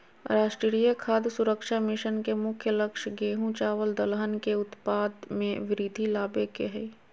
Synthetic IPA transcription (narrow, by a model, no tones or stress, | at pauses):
ɾaːʃʈɾɾijəkʰaːd̪sʊɾəkʃamɪʃənkemʊkʰjələkʃɡeːɦũt͡ʃaːʋəld̪əlɦənkeʊt̪paːd̪mẽʋɪɾid̪ʱilaːbekeɦɛ